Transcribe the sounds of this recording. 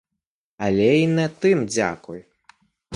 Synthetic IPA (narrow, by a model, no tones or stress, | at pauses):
alʲɛinɛt̪ɨmd͡zʲa̰kuj